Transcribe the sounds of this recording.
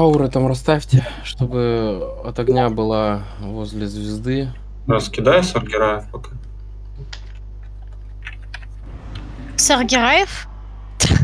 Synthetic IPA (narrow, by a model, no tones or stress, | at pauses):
auɾɨt̪amrɐst̪afʲtʲɪʂt̪obɨ | ɐt̪ɐɡnʲabɨlˠa | vozʲlʲɪzʲvʲɪzd̪ɨ | nɐskʲɪd̪ajsɐrɡʲɪɾajɪfpɐka | sɐrɡʲɪɾajɪf | t̪